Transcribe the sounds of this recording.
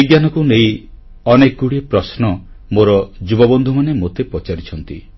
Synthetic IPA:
iɡjanɔkunej | ɔnekuɽiepɾɔsnɔmoɾɔd͡ʒubɔbɔnd̪ʱumanemot̪epɔt͡ʃaɾit͡ʃʰɔnt̪i

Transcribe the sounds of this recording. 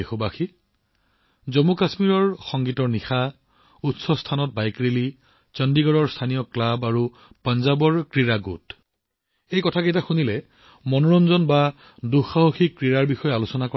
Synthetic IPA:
exobaxi | zɔmukasmiɹɔɹxɔŋɡitɔɹnixa | utsɔstʰanɔt̚bajkɹili | t͡ʃɔndiɡɔɹɔɹstʰanijɔklabaɹu | panzabɔɹkɹiɹaɡṵt | ejkɔtʰakejtaxunilɛ | mɔnɔɹɔnzɔnba | duxaɦoxikːɹiɹaɹbixɔjɛalosɔnakɔ

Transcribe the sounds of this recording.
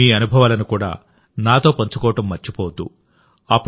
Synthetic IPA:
iːɐnubʱɐʋaːlɐnikuːɽa̰ː | naːt̪o̞ːpɐɲt͡ʃukɔːɐʈɐmːɐt͡ʃːipoːd̪ːṵ | ɐpː

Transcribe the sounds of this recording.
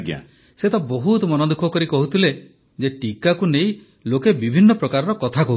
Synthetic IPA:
ɡja̰ | set̪ɔboɦut̪ɔmɔnɔd̪ukʰɔkɔɾikɔɦut̪ʰile | d͡ʒeʈikakunej̃ | lokebibʱinːɔpɾɔkaɾɔɾɔkɔt̪ʰakɔɦu

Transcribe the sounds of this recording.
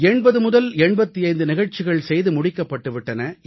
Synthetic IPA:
ɛɳbɐðɯmʊðɐlɛɳbɐt̪ːiɐjnd̪ɯnɪɣɐɻt͡ʃɪɣɐɭsɛjðɯmʊɽɪkːɐpːɐʈːɯʋɪʈːɐnɐ

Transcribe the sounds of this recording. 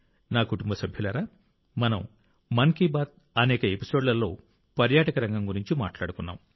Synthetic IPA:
naːkuʈumbɐsɐbʱjulɐɾaː | mɐnɐm | mɐŋkibaːt̪̚ | ɐnɛːkɐe̞pi̥so̞ːɖlɐlːo̞̰ː | pɐɾjaːʈɐkɐɾɐŋɡɐmɡuɾiɲt͡ʃima̰ːʈlaːɽukunːa̰ːm

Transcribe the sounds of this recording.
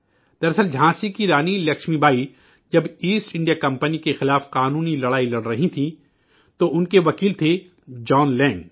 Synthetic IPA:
d̪̥ɐɾɐsəld͡ʒʱãːsikiɾaːnilɐkʃmibʱaːi | d͡ʒɐbiːsʈɪ̃ɳɖijakɐ̃mpənikexɪlaːfqaːnũːnilɐɽaːilɐɽɾɐɦit̪ʰĩ | t̪oʊnkeʋɐkiːlt̪ʰe | d͡ʒɔːnlɛ̃ːŋ

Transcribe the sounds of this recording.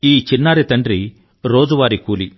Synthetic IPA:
iːt͡ʃinːaːɾit̪ɐɳɖɾi | ɾoːd͡ʒuʋaːɾikuːli

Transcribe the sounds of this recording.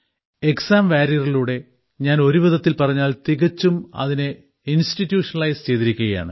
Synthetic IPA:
eksaːmʋaːɾijɐrɐɭuːɽe̞ | ɲaːno̞ɾuʋɐðɐt̪ːilpɐrɐɲːaːlt̪iɣɐt͡ɕːumɐ̰ðine | institːjuːʂɐnɐɭɐjst͡ɕe̞jt̪iɾikʲːuɣɐja̰ːɳɨ

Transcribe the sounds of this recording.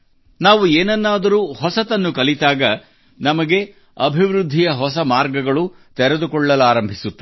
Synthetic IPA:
naːʋueːnɐnːaːd̪ɐɾuːhɔsɐt̪ɐnːukɐlit̪aːɡɐ | nɐmɐɡe̞ | ɐbʱiʋɾud̪ʱːijɐɦɔsɐmaːɾɡɐɡɐɭu | t̪ɛɾed̪ukɔɭːɐlaːɾɐmbʱisut̪ːi

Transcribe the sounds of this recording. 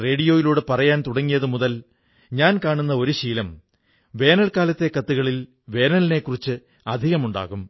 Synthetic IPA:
re̞ːɽijo̞ːjiluːɽepɐrɐjaːnt̪uɽɐŋːijɐðɨmuðɐl | ɲaːnkaːɳunːɐo̞ɾuɕiːlɐm | ʋe̞ːnɐlkaːlɐt̪ːe̞kɐt̪ːuɣɐɭil | ʋe̞ːnɐline̞kːurit͡ɕːɨ | ɐd̪ʱiɣɐmuɳɖa̰ːɣum

